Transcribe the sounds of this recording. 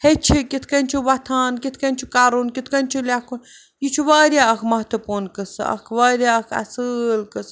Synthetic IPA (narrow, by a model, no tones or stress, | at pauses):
het͡ʃʰikit̪ʰkɐnʲt͡ʃʰiʋɐt̪ʰaːnkit̪ʰkɐnʲt͡ʃʰikaːɾunkit̪ʰkɐnʲt͡ʃʰilʲaːkun | jit͡ʃʰuʋaːɾʲjaːɐkʰmɐɦt̪upuːnkɨsɐ̰kʰʋaːɾjaɐkʰɐ̰sɨlkɨs